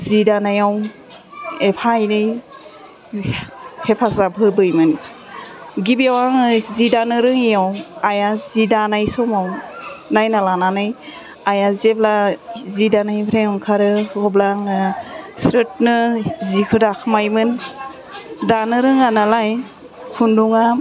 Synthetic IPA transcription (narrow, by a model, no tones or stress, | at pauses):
zidanajaw | epʰajnɯj | hepʰazabʱɯbɯjmɯn | ɡibiawaŋɯzidanɯɾɯŋijawajazidanajsɔmawnajnalananɯj | ajazeblazidanajbʰɾejɔŋkʰaɾɯɔblaŋɯsɾɯt̚nɯzikʰɯdakʰɯmajmɯn | danɯɾɯŋanalaj | kʰunduŋa